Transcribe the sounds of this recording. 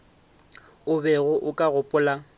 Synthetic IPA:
ʊbɛɣʊʔʊkʼaɣʊpʼʊla

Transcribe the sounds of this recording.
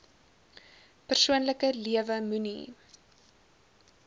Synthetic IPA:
pərsuənləkəliəvəmynḭ

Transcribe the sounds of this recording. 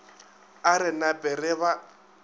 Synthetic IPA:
aɾɪnapʼɪrɪβa

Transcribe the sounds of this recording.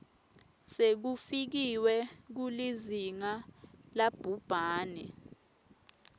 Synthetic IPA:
sek̬ufik̬iwɛk̬uliziŋalab̥ʱub̥ʱaːnɛ

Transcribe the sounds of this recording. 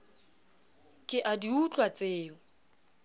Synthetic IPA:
kʼɪʔadiut͡ɬʼwat͡sʼeːɔ

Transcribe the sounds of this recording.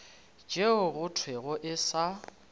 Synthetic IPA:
d͡ʒeʊɣʊtʰweɣʊʔɪsa

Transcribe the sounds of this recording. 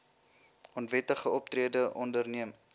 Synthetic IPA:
ɔntvɛtəχəɔp̚t̪riədəʔɔndərniəm

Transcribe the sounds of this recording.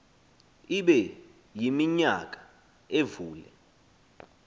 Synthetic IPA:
iɓɛ | jimiɲa̰k̬ʼḁ | evuːlɛ

